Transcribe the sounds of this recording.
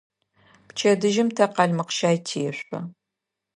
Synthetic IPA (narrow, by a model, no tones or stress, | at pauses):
pt͡ʃʰɐdɨʒɪmtʰɐqɑɮmɨqʃaːjtʰijɛɕʷʼɐ